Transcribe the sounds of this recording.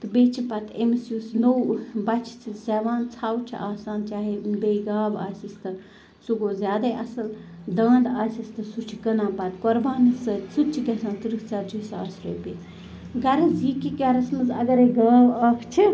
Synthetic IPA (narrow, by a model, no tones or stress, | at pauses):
t̪ɨbeːt͡ʃʰipɐt̪emisjusnowbɐt͡ʃʰt͡sʰiseːʋaːnt͡sʰaːwt͡ʃʰḭʔaːsaːnt͡ʃaːɦebeːɡaːbaːsist̪ɨ | suɡoːzʲaːd̪aːjʔɐsɐld̪aːnd̪aːsʲist̪ɨsut͡ʃʰiɡɐnãːpɐt̪koɾbaːnisɨsut͡ʃʰiɡɐsãːnt̪ɨɾɨkt͡saːd͡ʒusa̰ːɾsɾo̰ːbi | ɡɐɾɐzikiɡɐɾɐsmɐzɐ̰ɡɐɾeːɡaːbɐːkʰt͡ʃʰi